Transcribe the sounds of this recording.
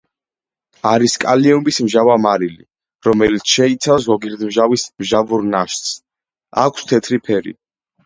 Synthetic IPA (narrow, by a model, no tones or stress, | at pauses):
aɾiskʼaliɔmbismʒavamaɾilḭ | ɾɔmɛlit̪sʰʃɛit̪sʰafs̬ɡɔɡiɾd̪mʒavismʒavuɾnaʃt̪s | a̰kʷʰst̪ʰɛt̪ʰɾipʰɛɾḭ